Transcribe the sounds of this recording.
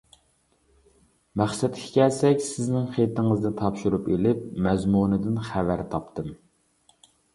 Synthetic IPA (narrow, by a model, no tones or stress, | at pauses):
mæχsɛt̪̚kʲʰi̥kʲʰɛlsɛkʲsɪznɪŋχet̪ɪŋɨzd̪ɪt̪ʰɑpʃuɾupelɪpmɛzmunɨd̪ɪnχævæɾt̪ʰɑpt̪ʰɨm